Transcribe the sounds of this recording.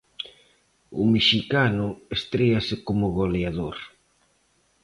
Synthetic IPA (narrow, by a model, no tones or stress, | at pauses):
ʊ̰meʃikanʊest̪ɾeasɪkomʊɣoleaðoɾ